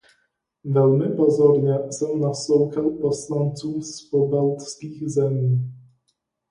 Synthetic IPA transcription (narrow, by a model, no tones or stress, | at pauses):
vɛlmɘpɔzɔɾɲɛsɛmnast̪ɔwkɛwpɔslant̪sufspɔbalt̪skʲiɣzɛmʲi